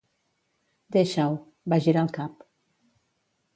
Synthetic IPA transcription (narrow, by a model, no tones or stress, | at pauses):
d̪eʃaw | baʒiɾalˠkap